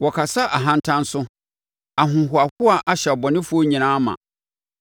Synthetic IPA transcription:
wɔ˨kʰa˨sa˦ʔa˨ɦã˦n˦tʰã˦n˦sʊ˦ | a˨ɦʊ̃˨ɦʊ˨a˨hʊ˦a˨ʔa˨ɕɛ˨ɔ˨bɔ˨nɪ̃˦fʊ˦o˦ɲĩ˨nãː˦mã̰˨

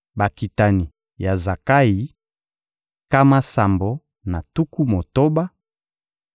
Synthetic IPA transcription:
ba˨ki˨ta˨ni˨ | ja˨za˨ka˦ji˨˦ | ka˦ma˦sa˨mbo˨ | na˨tu˦ku˦mo˨to˦ba˦

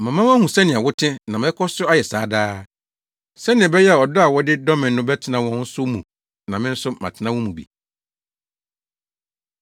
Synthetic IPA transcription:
mã˨mã˦ma˦hũ˨sɛ˦nɪ̃˨a˨wʊ˦tʰɪ̃˦nã˨mɛ˦kʰɔ˦sʊ˦a˦jɛ˨saː˨˦daː˦ | sɛ˦nɪ̃˨ɛ˨bɛ˦jɛ˦a˨ɔ˨dɔ˦a˨wɔ˦dɪ˦dɔ˦mɪ̃˨nː˦ʊ̃˦bɛ˦tʰɪ˨nã˨wɔ̃˦n̩˦sʊ˦mũ˨ | nã˨mɪ̃˦n̩˦sʊ˦mã̰˨tʰɪ˨nã˦wɔ̃˦mũ˨bḭ˨

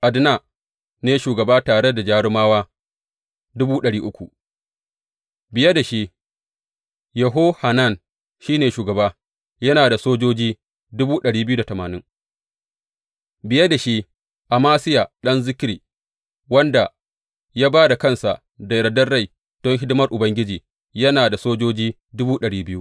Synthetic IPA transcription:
ʔa˨dna˨ | neː˨ʃuː˨ɡɐ˨baː˦taː˨ɽe˦da˨d͡ʒaː˦ɽɪ˦maː˦waː˦ | dʊ˦buː˦ɗɐ˨ɽiː˦ʔʊ˦kʷu˨ʔ | bɪ˨ja˦da˨ʃi˦ | jɐ˨ɦo˦ha˨na˦˨n | ʃiː˦neː˨ʃuː˨ɡɐ˨baː˦ | jɐ˦naː˨da˨soː˦d͡ʒoː˦d͡ʒiː˦ | dʊ˦buː˦ɗɐ˨ɽiː˦bɪ˦ju˦da˨tɐ˨maː˨nɪ˦ŋ | bɪ˨ja˦da˨ʃi˦ | ʔa˨maː˦sɪ˦ja˨ɗɐ˦nzɪ˦kʲɾiː˨ | wɐ˦nda˨ | jaː˦baː˦da˨kɐ˦˨nsa˨ | da˨ɾɐ˨dɐ˦rːa˦˨j | d̥ɔ˦ŋɦɪ˦dʊ˦mɐ˦rʔʊ˨bɐ˦ŋɡʲɪ˦d͡ʒiː˨ | jɐ˦naː˨da˨soː˦d͡ʒoː˦d͡ʒiː˦ | dʊ˦buː˦ɗɐ˨ɽiː˦bɪ˦ju˦

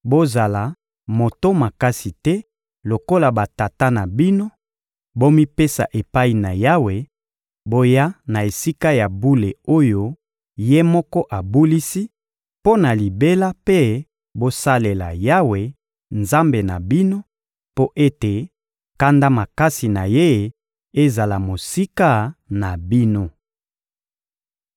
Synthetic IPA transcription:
bo˦za˨la˨ | mo˨to˦ma˨ka˦si˨tɛ˦ | lo˨ko˦la˨ba˨ta˨ta˦na˨bi˦no˦ | bo˦mi˦pe˦sa̰˨ʔe˨pa˦i˨na˨ja˦we˨ | bo˦ja˦na˨e˨si˦ka˦ja˨bu˦le˨o˦jo˦ | je˦mɔ˦kɔ˦ʔa˨bu˦li˦si˦ | po˦na˨li˨be˦la˦pe˦ | bo˦sa˦le˨la̰˨ja˦we˨ | nza˦mbe˨na̰˨bi˦no˦ | po˦ʔe˦te˨ | ka˦nda˦ma˨ka˦si˨na˨je˦ | e˦za˨la˨mo˨si˦ka˦na˨bi˦no˦

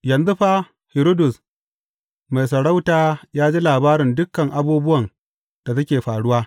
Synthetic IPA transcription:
jɐ˨nzʊ˦ɸaː˦ | hɪ˨ɾo˦dʊ˨s | ma˨jsɐ˨ɽa˦wtaː˦jaː˦d͡ʒeː˦laː˨baː˦ɾɪ˨ndʊ˦kːɐ˨ŋʔa˦buː˦bʊ˦wɐ˨n | d̥a˨tɐ˦kʲeː˨ɸaː˨ɽʊ˦waː˦

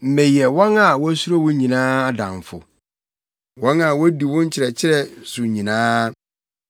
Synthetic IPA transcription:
m̩˨mɛ̃˨jɛ˨wɔ̃˦na˨wɔ˦su˦o˦wʊ̃˦ɲĩ˨nãː˦a˦dã̰˨ɱ˨fʊ̰˨ | wɔ̃˦na˨wɔ˦di˨wʊ̃˦ɲ̩˦t͡ɕʰɪ˨ɾɛ˨t͡ɕʰɪ˦ɾɛ˨sʊ˨ɲĩ˨nãː˦

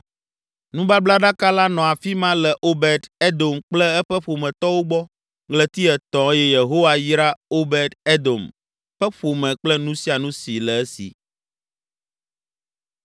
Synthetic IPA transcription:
nũ˦ba˦bla˦ɖa˦ka˦la˦nɔ̃˨a˨fi˦mã˦lɛ˨ʔo˦bɛ˨d̪e˦d̪o˨mk͡plɛ˦ɛ˦ɸɛ˦ɸo˨mɛ̃˨t̪ɔ˦wo˦ɡ͡bɔ˦ | ɡlɛ˨t̪i˦ɛ˨t̪ɔ̃˨˦jɛ˦je˨ɦo˦wa˨ji˦ɾa˦o˦bɛ˨d̪e˦d̪o˨m | ɸɛ˦ɸo˨mɛ̃˨k͡plɛ˦nũ˦si˦a˨nũ˦si˨lɛ˨ɛ˦sḭ˨

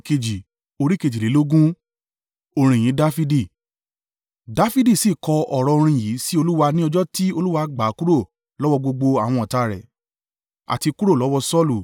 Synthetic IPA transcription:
ke˧d͡ʒi˨ | o˧ɾi˦ke˧d͡ʒi˨le˨˦o˦ɡũ˦ | o˧ɾ̃ĩ˨j̃ĩ˨˦da˦fi˦di˦˨ | da˦fi˦di˦˨si˦˨kɔ˧ɔ˨ɾɔ˧o˧ɾ̃ĩ˧˨jiː˨˦si˦o˧lu˦wa˧nĩ˦ɔ˧d͡ʒɔ˦ti˦o˧lu˦wa˧ɡ͡ba˨˦ku˦ɾo˦˨ | lɔ˦wɔ˧ɡ͡bo˧ɡ͡bo˧a˨w̃ɔ̃˧ɔ˨ta˧ɾɛ̰˨ | a̰˨ti˧ku˦ɾo˦˨lɔ˨˦wɔ˧sɔ˦lu˨

